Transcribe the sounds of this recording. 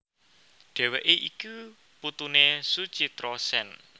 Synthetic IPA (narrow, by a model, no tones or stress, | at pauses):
ɖ̥e̤weʔeʔiku | put̪unesud̥t͡ʃit̪ɾɔsɛn